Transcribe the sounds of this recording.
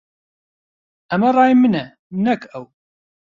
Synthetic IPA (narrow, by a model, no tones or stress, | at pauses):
æmærˤɑjimənæ | mənækæw